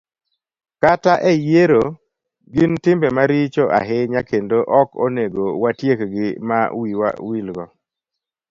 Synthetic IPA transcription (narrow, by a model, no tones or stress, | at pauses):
kataʔɛjeɾo | ɡɪntɪmbemaɾit͡ʃoʔa̰ɦeɲakendoʔɔkoneɡowatjekɡɪmawiwa̰wilɡɔ